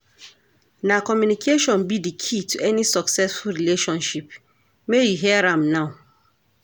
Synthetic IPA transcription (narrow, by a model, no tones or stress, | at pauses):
nãkʰɔmjunikʰeʃɔ̃nbidikʰitʰuʔɛnĩsɔksɛsfulɾileʃɔ̃nʃip | mejiɦiaɾãmnãʊ̃